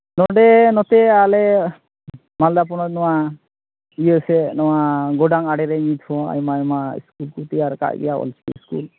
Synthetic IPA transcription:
nɔɖɛnɔt̪ɛalɛ | mald̪ap̬ɔnɔt̪̚nɔwa | ijəsɛnɔwaɡɔɖaŋaɽɛɾɛɲit̪ʰɔa̰jmajmaḭskulkut̪iaɾka̰ʔɡɛ̰jaɔ̰lt͡ʃʰi̥kḭiskṵl

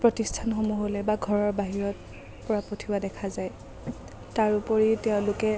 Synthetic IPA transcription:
pɹɔtistʰanxomuɦolɛbaɡʱɔɹɔɹbaɦiɹɔt̚ | pɔɹapotʰiwadɛkʰazaj | taɹupɔɹitɛʊ̃lʊkɛ

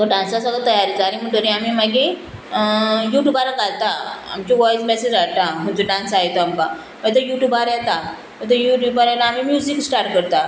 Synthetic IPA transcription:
t̪əɖãnsasəɡɭat̪əjaɾid͡zaɾim̤əɳʈoɾĩamimaɡẽ | juʈjuːbaɾakalt̪aa̰mt͡ɕiʋɔjd͡zmɛsed͡ʑat̪am̤əɳd͡zoɖãnsajt̪oamka | mət̪̬əjuʈjubaɾjɛt̪a | mət̪əjuʈjubaɾɛlaːmimjuziksʈaɾʈ̚kəɾt̪a

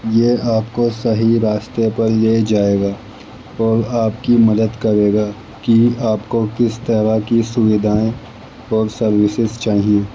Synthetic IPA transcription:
jeːaːpkosɐɦiɾaːst̪epɐɾjed͡ʒaːeːɡaː | ɔːɾaːpkimɐd̪əd̪kɐɾeːɡaː | kiaːpkokɪst̪ɐɾakisʊʋɪd̪ʱaːẽ | ɔːɾsɐɾʋɪsɪzt͡ʃaːɦieː

